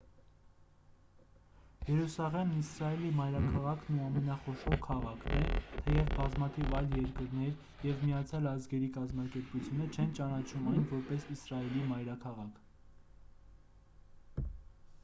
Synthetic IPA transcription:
jɛɾusɑʁɛmnisɾɑɛlimɑjɾɑkʰɑʁɑkʰnuɑmɛnɑχɔʃɔʁkʰɑʁɑkʰnɛt̪ʰɛjɛvbɑzmɑt̪ʰivɑjljɛɾkəɾnɛɾ | jɛvmijɑt͡sʰjɑlɑzɡɛɾikɑzmɑkɛɾput͡sʰjunət͡ʃʰɛnt͡ʃɑnɑt͡ʃʰumɑjnvɔɾpɛsisrɑɛlimɑjɾɑkʰɑʁɑkʰ

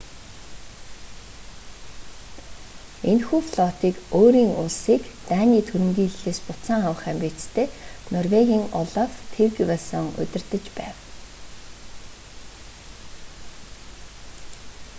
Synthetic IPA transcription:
enxuːfɮɔt̪iːkoːɾiːŋʊɮsiːkt̪æːniːt̪ʰɵɾɵ̆ŋɡʲiːɮːeːspʊt̪t͡saːŋawə̆χæmpʲiːt͡st̪ʰeːnɔrweɣʲiːŋɔɮaft̪ʰewɣiwasɔŋɵ̰t̪ʲɪ̆rt̪ɘ̆t͡ɕpæːw

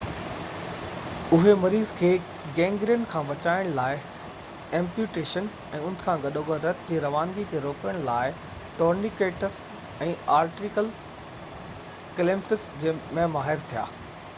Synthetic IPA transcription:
ʊɦemɐɾiːzkʰeː | ɡɛ̃ːŋɡɾijənkʰãːʋɐt͡ɕaːɪɽ̃laːɪ | ɛ̃ːmpjuːʈeːʃən | ɛ̃ːʊnɪ̆kʰãɡɐɗoːɡəɾɐt̪d͡ʑeːɾɐʋaːnɡit̪ʰeɾoːkjəɽ̃laːɪ | ʈoːɾnikeːʈəs | ɛ̃ːaːɾʈɾikəl | kɐleːmsɪsd͡ʑeːmɛ̃maːɦɪɾt̪ʰija̰ː

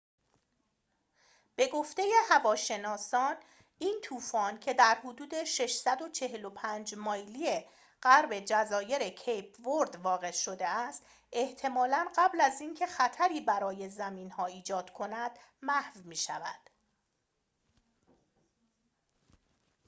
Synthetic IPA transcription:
b̥e̞ɡoft̪e̞je̞hævɒːʃe̞nɒːsɒːn | iːnt̪ʰuːfɒːncʰe̞d̪æɾhod̪uːd̪e̞ʃe̞ʃsæd̪o̞t͡ʃʰe̞ɦe̞lo̞pʰænd͡ʒmɒːjlije̞ | ɢæɾbe̞d͡ʒæzɒːje̞ɾecʰejpʰboɾd̪vɒːɣe̞ʃo̞d̪e̞æst̪ | e̞ht̪ʰe̞mɒːlænɢæblæziːncʰe̞xæt̪ʰæɾiːbæɾɒːje̞zæmiːnhɒːiːd͡ʒɒːd̪̥kʰo̞næd̪̥mæhvmiːʃævæ̰d̪̥

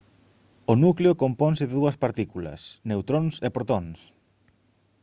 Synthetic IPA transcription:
onukleokompɔnsɪðɪðuɐspaɾt̪ikulɐ̰snewt̪ɾonsepɾot̪ɔŋs

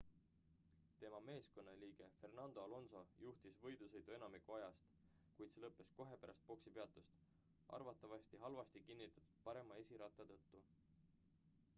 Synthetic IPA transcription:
t̪e̞mɑme̞ːsko̞nːɑliːɡ̥e̞fe̞rnɑnd̪o̞ɑlo̞nso̞juht̪isvɤ̞jd̪̥usɤ̞jd̪̥ue̞nɑmikuɑjɑst̪ | kujt̪se̞lɤpːˑe̞sko̞ɦe̞pæɾʔɑ̰st̪̚po̞ksipeɑt̪ːˑust̪ | ʔɑ̰rvɑt̪ːˑɑvɑst̪iɦɑlvɑst̪ikinːit̪ːˑɑ̥t̪ːˑu̥d̪̥̚pɑɾe̞mɑe̞sʲiɾɑt̪ːˑɑt̪ɤt̪ːu

